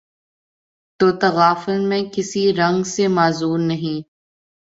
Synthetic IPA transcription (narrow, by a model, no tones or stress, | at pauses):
t̪oːt̪ɐɣaːfɪlmẽkɪsiɾɐ̃ŋɡsemaːzuːɾnɐɦĩː